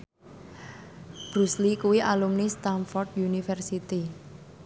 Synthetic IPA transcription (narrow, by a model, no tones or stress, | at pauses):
b̥ɾuslikuwiʔalumnist̪anfɔrd̪junifɛrsit̪i